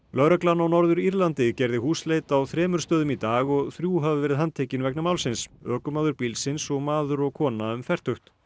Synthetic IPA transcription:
lœɥɾaklanawnɔɾðʏɾiɾlant̪ɪcɛɾðɪhuːslejt̪awθɾɛːmʏɾst̪œːðʏmit̪aːɣɔɣθɾjuːɦavɪvɛːɾɪðhant̪ʰeːjcɪnvɛknamaːwlsɪnsœːkʏmaðʏɾpilsɪnsɔɣmaːðʏɾɔɣkʰɔːnaʏmfɛr̥t̪ʏxt̪

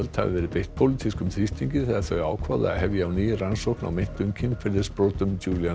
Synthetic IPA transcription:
lt̪ha̰vɪ̰vɛːɾɪpejht̪pʰowlit̪ʰiskʏmθɾist̪ʰiɲcɪθɛaθœɥaːwkʰva̰ːðɪ̰a̰ðhɛvjaawniːjɪransowhkna̰wmen̥t̪ʏɲcʰɪnfɪɾðɪɾspɾoːt̪ʏmt͡ɕuːlja

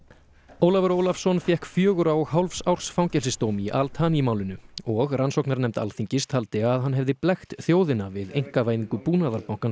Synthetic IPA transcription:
oːwlavɛɾowlafsɔnfjɛhkfjœːɣʏɾawɔɣɦawlfsawr̥sfawɲcɛlsɪst̪owmiʔa̰lt̪ʰaːnimaːwlɪnʏɔɣransɔwknaɾnɛmt̪a̰lθiɲcɪst̪ʰalt̪ɪaðɦanːɦɛvðɪplɛxt̪θjoːwðɪnavɪðejŋ̥kavaːjðiŋkʏpuːnaðaɾpawŋ̥kan

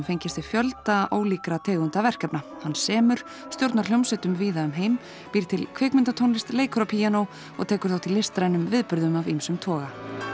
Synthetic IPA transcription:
fejɲcɪst̪ɪ̥fjœlt̪aʔoːwliːkɾat̪ʰɛːɣʏnt̪avɛr̥kɛpnahanːsɛːmʏɾ̥ | st̪jowɾt̪naɾ̥ljownsɛt̪ʏmviːðaʏmɦejm | piːɾt̪ʰɪlkʰveːkmɪnt̪at̪ʰownlɪst̪leːjkʰɾapʰijanow | ɔ̰ɣt̪ʰɛːkʏɾ̥θawt̪ʰilːɪst̪ɾajnʏmvɪðpʏɾðʏmavimsʏmt̪ʰɔːɣa

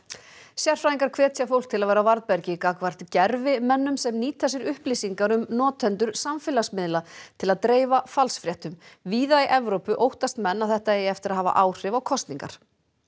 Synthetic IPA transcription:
sjɛr̥fɾaːðiŋkaɾ̥kʰv̥ɛːt̪sjafowl̥k̚t̪ʰɪlavɛːɾawvaɾðpɛɾcɪkaːkvar̥t̪cɛɾvɪmɛnːʏmsɛmniːt̪θɛsːɪɾʏhplisiŋkaɾʏmnɔːt̪ʰɛnt̪ʏɾ̥samfɪːlasmɪðlat̪ʰɪlaðt̪ɾeːjvafalsfɾjɛht̪ʏmviːðajʔɛvɾowpʏʔowht̪ast̪mɛnːawθɛht̪aeːjɪɛft̪ɪɾaðɦaːva̰ʔaːwr̥ɪvawkʰɔst̪niŋka̰ɾ̥

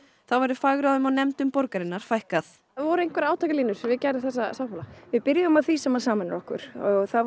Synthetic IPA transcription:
θawvɛɾðʏfaːɣɾawðʏmawnɛmt̪ʏmpɔɾkaɾɪnːaɾ̥fajhkaθ | vɔɾʏejŋ̥kvɛɾaːwt̪ʰakaliːnʏɾ̥vɪðcɛjɾɪθɛsːasawpaːlavɪðpɪɾjɪʏʏmaðθisɛmvaɾ̥saːmanɾɔhkʏ̰ɾ̥ɔɣθa

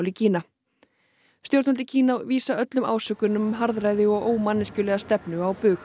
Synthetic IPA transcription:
wlɪcʰiːna | st̪jowɾt̪nɔlɪcʰiːnaviːsaœt̪lʏma̰ːwsœːkʏnʏmɦaɾðrajðɪɔɣoːwmanːɪscʏlɛːɣast̪ɛpnʏawpʏːx

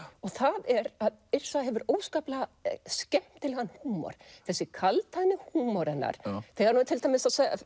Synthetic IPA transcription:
ɔɣθaðɛɾaðɪr̥saɦɛvʏɾoːwskaːplascɛm̥t̪ɪlhanːhuːmɔ̰ɾ̥θɛsːɪkʰalt̪ʰajnːɪhuːmɔɾɛnːa̰ɾ̥θɛːɣaɾnuːt̪ʰɪlt̪ajmɪsaðsḛ

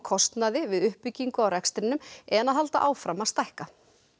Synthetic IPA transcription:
kʰɔst̪naðɪvɪðʏhpːʏcːiŋkʏawrɛkst̪ɾɪnːʏmɛnaðalt̪a̰ʔaːwfɾamaðst̪ajhka

